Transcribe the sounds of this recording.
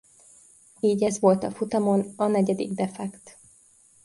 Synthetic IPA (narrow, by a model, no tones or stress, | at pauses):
iːɟɛzʋo̞lt̪ɒfut̪ɒmo̞nɒnɛɟɛd̪ḭɡd̪ɛfɛkt̪